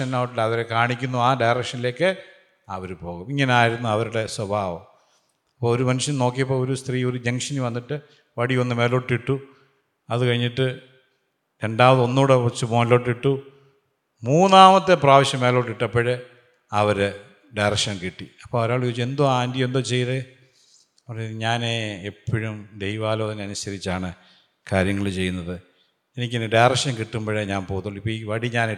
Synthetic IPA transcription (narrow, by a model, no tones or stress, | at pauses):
ɐnaːʋʈːuɽeɐʋɐɾekaːɳikʲːunːuaːɖɐjrɐkʂɐnile̞ːkːɨ | ɐʋɐɾupo̞ːɣumiŋːɐneaːjiɾunːuɐʋɐɾuɽe̞swɐbʱaːʋo | ɐpːoːɭoɾumɐnuʂjɐmno̞ːk̬ːijɐp̬ːoːoɾust̪riːoɾud͡ʑeŋʂɐnuʋɐnːiʈːɨ | ʋɐɽionːɨmeːloʈːiʈːu | ɐðɨkɐɻiɲːiʈːɨ | ɾe̞ɳɖaːmɐðo̞nːuːɽeut͡ɕːumoːnlo̞ʈːiʈːu | muːnnaːmɐt̪ːepraːʋiɕjɐmeːloʈːiʈːɐpːoɻe | ɐʋɐɾɨ | ɖajrɐkʂɐnkiʈːiɐpːoːoɾaːɭket͡ɕːe̞nd̪uaːndjɐmend̪ot͡ɕejðe | ɐpɐrɐɲaːneːpʰːɐɻumd̪ejʋaːloːɣɐnɐnusɐɾit͡ɕːaːɳɨ | kaːɾjɐŋːɐɭt͡ɕe̞jːunːɐðɨ | enikʲːenːɨɖajrɐkʂɐnkiʈːumboːɻeɲaːnpoːt̪ːuɭːipːoːiʋɐɽiɲaːne